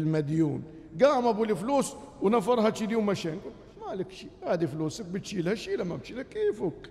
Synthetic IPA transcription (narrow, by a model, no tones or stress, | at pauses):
lmad̪jṵːn | ɡaːmabulifluːswnafɑɾˤhat̪ʃid̪iwmaʃeːnɡul | maləkʃiːhaːd̪iflusək̚bət̪ʃilhæʃilamːabt̪ʃilækːiːfuk